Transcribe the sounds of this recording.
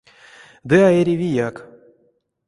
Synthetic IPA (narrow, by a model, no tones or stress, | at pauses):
d̪ɨaeɾʲivʲijak